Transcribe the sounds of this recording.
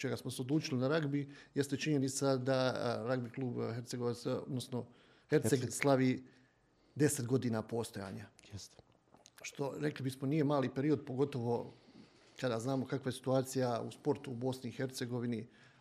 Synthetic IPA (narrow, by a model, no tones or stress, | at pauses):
t͡ʃe̞ɡasmoseo̞d̪lˠuːt͡ʃilinaɾaɡbije̞st̪et͡ʃiɲe̞nit̪sad̪aɾaɡbiklˠuːbhe̞ɾt̪seɡoʋat̪sod̪nosno̞ | heɾt̪seɡslˠaʋiː | d̪e̞set̪ɡo̞d̪iːnaːpo̞ːst̪oja̰ːɲajst̪ | ʃt̪o̞ɾe̞klibismo̞nije̞maːlipe̞ɾio̞d̪̚po̞ɡo̞t̪o̞ʋo̞ | kad̪aznaːmo̞kakʋaje̞si̥t̪uaːt̪sijaṵspo̞ɾt̪uːbo̞sniixe̞ɾt̪se̞ɡo̞ʋini